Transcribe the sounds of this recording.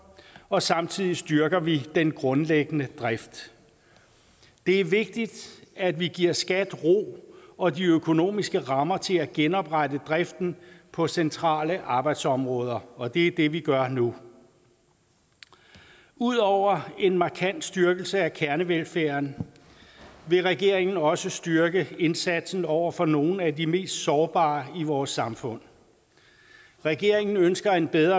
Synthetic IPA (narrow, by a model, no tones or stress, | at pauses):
ɒ̽sɑ̈mt͡sʰið̞̰ˠisd̥ɶɐɡ̥ɐʋid̥enɡ̥ʁɔ̽nleɡ̥ənəd̥ʁɛfd̥ | e̝æɐʋe̝ɡ̥̚d̥id̥æd̥ʋiɡ̥iɐ̰sɡ̥æd̥ʁo̝̰ːɒ̽diøkʰo̝no̝̰ːmisɡ̥əʁɑ̈mɐt͡sʰe̝læɡ̥enɒ̽b̥ʁɑ̈dəd̥ʁɛfd̥n̩pʰɒ̽sent͡sʰʁɑ̰̈ːləʔɑ̈ːb̥ɑ̈ɪd̥sɒ̽mʁɔ̽ːð̞ˠɐɒ̽d̥e̝d̥e̝ʋiɡ̥ɶɐnu | uð̰ˠɒʊ̰ɐe̝nmɑ̈kʰæn̰d̥sd̥yɐɡ̥l̩səækʰæɐnəʋelfæːɐn | ʋe̝ʁɛɡ̥e̝ɐ̰eŋn̩ɒ̽səsd̥yɐɡ̥əe̝nsæd̥sn̩ɒʊ̰ɐfɒ̽no̝ːn̩ædime̝̰ːsd̥sɒːb̥ɑ̈ːiʋɒːsːɑ̈mfɔ̽n̰ | ʁɛɡ̥e̝ɐ̰e̝ŋn̩ønsɡ̥ɐe̝nb̥eðˠɐ